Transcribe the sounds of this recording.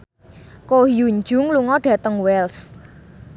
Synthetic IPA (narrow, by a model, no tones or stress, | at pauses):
kohijuɲd͡ʒʊ̤ŋluŋɔɖ̥ä̤t̪əŋwɛls